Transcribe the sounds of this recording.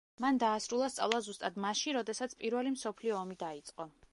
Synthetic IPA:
mand̪aːsɾulˠast̪sʼa̰vlˠazust̪ʼad̪maʃiɾɔd̪ɛsat̪sʰpʼiɾvɛlimsɔpʰliɔːmid̪ait̪sʼqʼɔ

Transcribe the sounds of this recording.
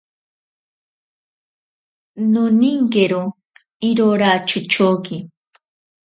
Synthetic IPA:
nʊnɪŋkeɾo | ɪɾoɾat͡ʃʊt͡ʃoːkɪ

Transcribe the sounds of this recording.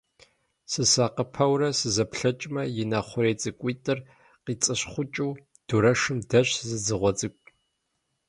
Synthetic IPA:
sɨsaːqəpʰɐwrɐsɨzɐpɬɐt͡ʃʼmɐjɪnɐχʷʊɾeːt͡sʼɨkʷʼiːtʼɨr | qiːt͡sʼɨɕχʷʊt͡ʃʼuː | d̥uɾɐʂɨmdɐɕzɨzɨʁʷɔt͡sʼɨkʷʼ

